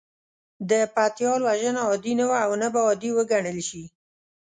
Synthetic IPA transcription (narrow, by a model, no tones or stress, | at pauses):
d̪əpat̪jɑlwaʒənaɔd̪inawaːwnabaɔd̪iwəɡaɳəlʃi